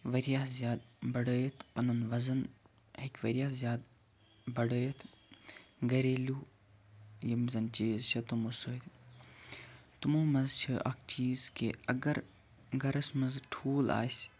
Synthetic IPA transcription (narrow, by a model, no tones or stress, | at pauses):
ʋɐɾijaːszʲjaːd̪̚bɐɽəːjət̪ʰpɐnunʋɐzɐn | ɦekʲʋɐɾijaːszjaːd̪ | bɐɽəːjət̪ʰ | ɡɐɾeːluː | jɐmzɐnt͡ʃiːzt͡ʃʰɐt̪umusəːt̪ | t̪umuːmɐzt͡ʃʰiʔɐ̰k̚ʰt͡ʃiːzkeɐɡɐɾ | ɡɐɾɐsmɐzʈʰuːla̰ːsʲ